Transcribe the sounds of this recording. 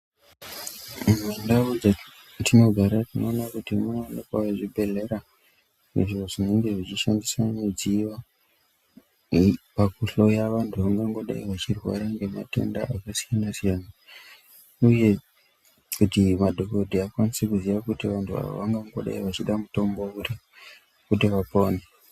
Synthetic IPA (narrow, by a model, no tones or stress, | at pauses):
mmwendaud͡za | tino̞ɡʱaɾatino̞ːnakutimunanekaaʐibʱe̞le̞ɾa | neʐioʐine̞ŋɡe̞ʐit͡ʃiʃandisaned͡ziʋa | pakuɬo̞jaʋantʰuʋaŋɡaŋɡo̞ɗa̰iʋat͡ʃirwa̰ɾaŋɡe̞mate̞̰ndaakasijanasijana | uje̞ | kutimadʱo̞kodʱiakwanisekuziʋakutiʋantʰua̰o̰ʋaŋɡaŋɡoɗa̰iʋat͡ʃiɗamuto̞mbo̞uri | kutiʋapoːne